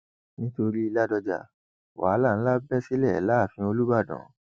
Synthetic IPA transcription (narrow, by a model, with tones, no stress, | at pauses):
nĩ˦to˧ɾi˦i˧la˦dɔ˧d͡ʒa̰˨ | wa̰˨˦la˦˨n̩˦la˦bɛ˦si˦lɛ˦˨ɛ˨la˦˨fĩ˧o˧lu˦ba˦˨dɔ̰̃˨˦